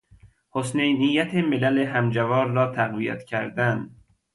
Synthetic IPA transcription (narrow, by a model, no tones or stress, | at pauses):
hosnejnijːæt̪ʰemelæleɦæmd͡ʒævɒːɾːɒːt̪ʰæɣvijæ̰t̪cʰæɾd̪æn